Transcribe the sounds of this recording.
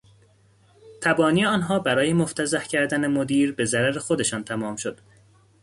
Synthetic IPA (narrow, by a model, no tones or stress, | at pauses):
t̪ʰæbɒːniːeɒːnɦɒːbæɾɒːje̞moft̪ʰæzæhcʰæɾd̪ænemod̪iːɾbe̞zæɾæɾexo̞d̪e̞ʃɒːnt̪ʰæmɒːmʃo̞d̪̥